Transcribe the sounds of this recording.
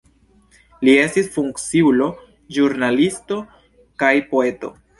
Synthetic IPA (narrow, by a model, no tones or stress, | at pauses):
lie̞stisfuŋkt͡siulo̞ | ʒuɾnalisto̞ | kajpo̞e̞to̞̰